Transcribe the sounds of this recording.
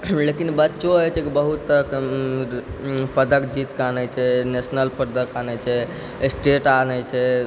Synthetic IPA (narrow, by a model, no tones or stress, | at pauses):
lekinbətːʃoəjt͡ʃʰɛkibəɦut̪ːək | pəd̪əkd͡ʒit̪kanɛt͡ʃʰɛnesnəlpəɾd̪əkanɛt͡ʃʰɛ | sʈeʈanɛt͡ʃʰɛ